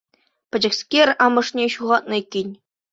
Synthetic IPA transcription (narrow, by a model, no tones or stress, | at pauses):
pʲɘ̆d͡ʑɘ̆ksʲkʲerʲɑmɤ̆ʂnʲeɕuʁɑt̪̚nɤ̆ikʲːinʲ